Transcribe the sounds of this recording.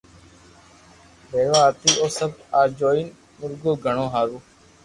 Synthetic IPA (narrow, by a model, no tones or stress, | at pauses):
ɾeːʋaːt̪iːʔoːsəbaːɾd͡ʒoːin | mʊɾɡoːɡʱəɳõːɦaːɾuː